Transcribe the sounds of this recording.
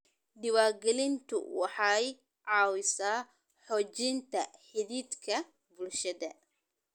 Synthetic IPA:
ɖɪwaːrɡɛlɪnt̪ʰʊ̰wɑħɑj | ʕɑːwɪsaː | ħɔːt͡ʃɪnt̪ʰɐħɪðiːd̪kʰɐ | bʊlʃɐðɐ

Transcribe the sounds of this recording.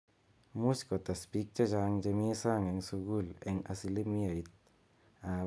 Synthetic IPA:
muskɔt̪aspik̚t͡ʃat͡ʃaŋd͡ʒemisaŋeŋsuɡuleŋasilimiait̪̚ | a

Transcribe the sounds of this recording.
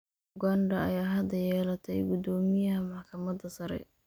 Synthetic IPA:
ɡanɖɐɐjaːɦɐd̪ɐjɛːlɐt̪ʰɛjɡʊd̪ɔːmɪjɐɦɐmɑħkʰɐmɐd̪ɐsɐɾɛ̰

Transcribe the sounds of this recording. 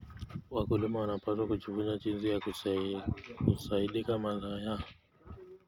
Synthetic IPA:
wakulimawanapaswakut͡ʃivuɲat͡ʃinzija | kusaiɗikamazajaɔ

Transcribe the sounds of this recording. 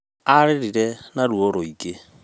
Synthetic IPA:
aɾeɾiɾɛnaɾwoɾoiɡe

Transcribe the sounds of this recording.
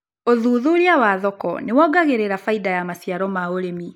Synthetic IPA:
oðuðuɾiawaðɔkɔ̰newɔɡaɣeɾeɾafaidajamasjaɾɔmaoɾemi

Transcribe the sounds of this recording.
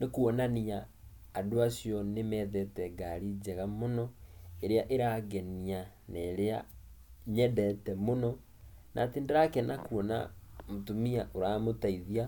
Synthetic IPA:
nekuɔnaniaː | doasjɔnemɛːðɛtɛɡaɾid͡ʑɛɣamonɔeɾeaʔeɾaɡɛnia | naːɾea̰ | ɲɛdɛtɛmonɔ | nʔa̰tendeɾakɛnakuɔna̰motomiaʔoɾamotaiðia

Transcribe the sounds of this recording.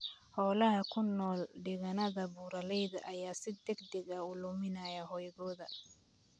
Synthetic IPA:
hɔːlɐɦɐkʰʊnːɔːlɖɪɣɐnɐðɐbuːɾɐlɛjðɐʔɐjaːsɪd̪ɛɡd̪ɛɡɐʊlʊmɪnaːjɐɦɔjɣɔːðɐ

